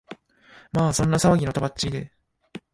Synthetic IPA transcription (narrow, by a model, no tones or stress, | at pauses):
maːsõ̞nːasaβaɡʲino̞t̪abat͡ɕiid̪e̞